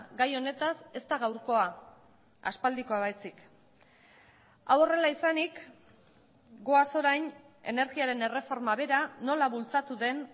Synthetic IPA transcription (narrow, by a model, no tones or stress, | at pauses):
ɡajo̞ne̞t̪ase̞st̪aɣawɾko̞a | a̰spald̪iko̞aβ̞ajsik | awo̞re̞laisanik | ɡo̞aso̞ɾajn | e̞ne̞ɾɣiaɾe̞ne̞re̞fo̞ɾmaβe̞ɾano̞laβult͡sat̪uðe̞n